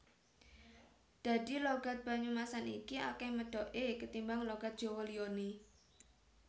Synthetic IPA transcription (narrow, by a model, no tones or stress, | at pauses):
d̪̥a̤d̪iloɡ̥a̤t̪̚b̥a̤ɲumasanikia̰kɛməɖ̥ɔʔekət̪imbaŋloɡ̥a̤t̪̚dʒ̥ɔ̤wolione